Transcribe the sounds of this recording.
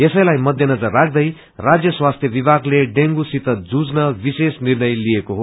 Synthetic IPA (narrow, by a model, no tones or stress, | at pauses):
jesʌjlajmʌd̪ʱjʌnʌd͡zʌrːakʰd̪ʌj | rad͡zjʌswast̪ʰjʌbibʱaɡleɖeŋɡusit̪ʌd͡zud͡znʌbisesnirnʌjliekoɦo